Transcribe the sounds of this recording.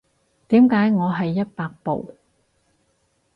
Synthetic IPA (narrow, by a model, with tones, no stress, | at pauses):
t̪iː˨˥mkaː˨˥jŋɔː˨˧ɦɐ˨jːɐ˥t̚paː˧k̚po̰˨w